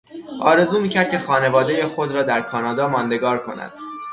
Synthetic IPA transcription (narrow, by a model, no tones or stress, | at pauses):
ʔɒ̰ːɾe̞zuːmiːcʰæɾd̪̚cʰʲe̞xɒːne̞vɒːd̪e̞jexod̪ɾɒːd̪æɾkʰɒːnɒːd̪ɒːmɒːnd̪e̞ɡɒːɾkʰo̞̰næ̰d̪̥